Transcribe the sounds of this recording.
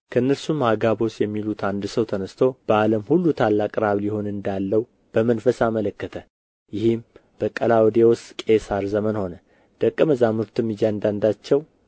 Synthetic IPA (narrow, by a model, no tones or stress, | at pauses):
kʰəɨnːəɾsumhaɡaβo̞sjɛmːilut̪ʰand̪səwt̪ʰənəst̪ʰo̞b̥əaləmhulːut̪ʰalːakʼɾaβliho̞nɨnd̪alːəwu | b̥əmənfəsamələkːət̪ʰə | jɪhɪmb̥əkʼəlawɔd̪ewɔst̪ʼkʼe̞saɾzəmənho̞nə | d̪̥əkʼːɨməzamɨɾt̪ʰɨmːid͡ʒand̪and̪at͡ʃːɛw